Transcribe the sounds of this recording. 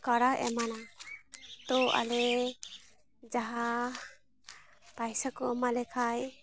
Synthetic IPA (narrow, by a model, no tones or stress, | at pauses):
kaɾakɛ̰mana | t̪ɔa̰lɛ | d͡ʒaɦa | pajsakɔmalɛkʰaj